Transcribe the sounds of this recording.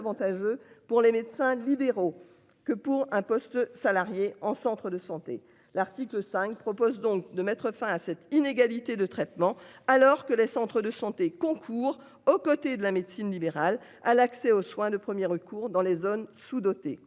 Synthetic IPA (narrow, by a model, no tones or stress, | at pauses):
vɑ̃t̪aʒøpuʁlemed̪sɛ̃libeʁo | kəpuʁɛ̃pɔst̪salaʁjeɑ̃sɑ̃t̪χəd̪əsɑ̃t̪e | laʁt̪ikləsɛ̃kpχɔpozd̪ɔ̃k̚d̪əmɛt̪χəfɛ̃asɛt̪ineɡalit̪ed̪ət̪χɛt̪mɑ̃alɔʁkəlesɑ̃t̪χəd̪əsɑ̃t̪ekɔ̃kʰuːʁ | okɔt̪ed̪əlamed̪sinlibeʁal | alaksɛoswɛ̃d̪əpχəmjɛʁəkʰuːʁd̪ɑ̃lezonsud̪ɔt̪e